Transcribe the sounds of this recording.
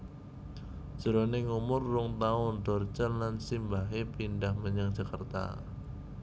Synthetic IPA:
ʒ̥əɾoneŋumʊrːʊŋt̪aʊnd̪ɔrt͡ʃənlansimbaɦepindahməɲaŋd̥ʒ̥akərt̪a̰

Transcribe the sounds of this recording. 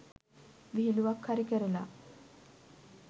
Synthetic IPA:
ʋiɦiluʋɐkhaɾikəɾela̰

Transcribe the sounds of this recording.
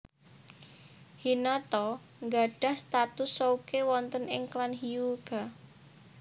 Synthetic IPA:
hinat̪ɔ | ŋɡa̤ɖ̥a̤hst̪at̪ʊsːɔukewɔnt̪ənɪŋklanɦiuɡ̥a

